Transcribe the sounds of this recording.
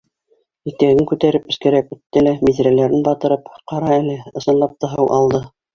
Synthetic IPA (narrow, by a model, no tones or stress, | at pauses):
it̪æɡɘŋkʉt̪æɾɘpɘ̆skɘ̆ɾækʉt̪ːɘlæmiðɾælæɾɘnbɑt̪ɤ̆ɾɤpqɑɾɑælɘɤ̆sɤ̆nlˠɑp̚t̪ɑɦɤwʔɑlˠd̪ɤ